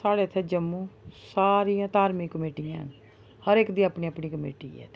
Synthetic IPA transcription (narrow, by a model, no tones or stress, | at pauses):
saːɽeːt̪ʰeːd͡ʒəmːũːsaːɾijãːt̪aːɾmikːəmeːʈijãːɦə̰n | həɾeːkd̪iːaːpɳĩːapɳiːkəmḛːʈḭːɛ̰ːt̪ː